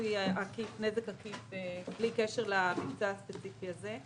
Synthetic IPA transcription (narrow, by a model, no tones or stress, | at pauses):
aakifnezekakifeblikeʃeʁlamikt͡saaspet͡sifiaze